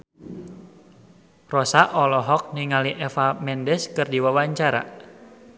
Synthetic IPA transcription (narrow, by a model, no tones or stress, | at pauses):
rɔsaʔɔlɔɦɔk̚niŋaliʔɛfamɛndɛskɨrdiwawaɲt͡ʃaɾa̰